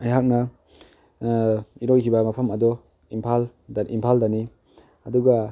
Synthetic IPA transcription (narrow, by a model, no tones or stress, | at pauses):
ɐjɦak̚nɐ | iɾojkʰibɐmapʰɐmɐdɔ | impʰal | dʔimpʰaldani | ɐduɡɐ